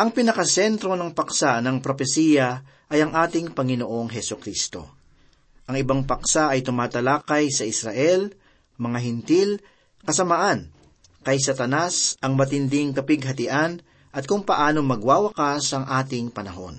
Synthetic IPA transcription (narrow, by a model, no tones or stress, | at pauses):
ʔɐŋpɪnɐkɐsɛnt̪ɾo̞nɐŋpɐksanɐŋpɾo̞fɛsijɐ | ʔɐjɐŋʔaːt̪ɪŋpɐŋɪnoʔo̞ŋɦɛsʊkɾist̪o̞̰ | ʔɐŋɪbaŋpɐksaʔɐjt̪ʊmaːt̪ɐlaːkɐjsɐʔɪsɾɐʔɛl | mɐŋaɦɪnt̪il | kɐsɐmaʔan | kɐjs̬ɐt̪ɐnasɐŋmɐt̪ɪnd̪ɪŋkɐpɪɡ̚ɦɐt̪ɪʔan | ʔɐt̪̚kʊŋpɐʔaːnomɐɡwaːwɐkasɐŋʔaːt̪ɪŋpɐnɐɦo̞̰n